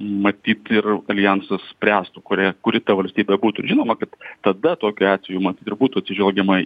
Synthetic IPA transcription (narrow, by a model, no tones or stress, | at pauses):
mɐt̪ʲiːt̪ɪrɐlʲɪjænsɐspʲrʲæːst̪ukʊɾʲækʊɾʲɪt̪ɐʋɐlʲsʲt̪ʲiːbʲɛbuːt̪ʊɪɾʒʲɪnoːmɐkɐt̪ːɐd̪ɐt̪oːkʲʊɑːt̪ʲsʲɛjuːmɐt̪ʲiːt̪ɪrbuːt̪uːɐt̪sʲɪʒʲʋɛlʲɡʲɛmɐ